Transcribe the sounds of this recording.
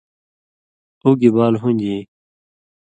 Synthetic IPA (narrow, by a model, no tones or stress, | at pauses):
uːɡibaːlɦũnʲd͡ʑi